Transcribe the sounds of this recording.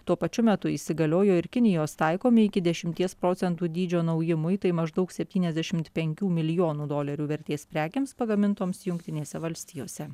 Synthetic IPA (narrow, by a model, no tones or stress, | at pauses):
t̪uɔpɐt͡ʃʲʊmʲɛt̪ʊiːsʲɪɡɐlʲoːjoːɪɾkʲɪnʲɪjoːst̪ɐɪkoːmʲɪɪkʲɪd̪ʲɛʃʲɪmʲt̪ʲiɛspɾoːt̪sʲɛnt̪uːd̪ʲiːd͡ʒʲoːnɐʊjɪmʊɪt̪ɐɪmɐʒd̪ɒʊksʲɛpʲt̪ʲiːnʲɛzd̪ʲɛʃʲɪmt̪pʲɛŋʲkʲuːmʲɪlʲɪjoːnuːd̪oːlʲɐɾʲuːʋʲɛɾʲt̪ʲeːspʲɾʲæːkʲeːmspɐɡɐmʲɪnt̪oːmsjʊŋkt̪ʲɪnʲeːsʲɛʋɐlʲsʲt̪ʲiːjoːsʲɛ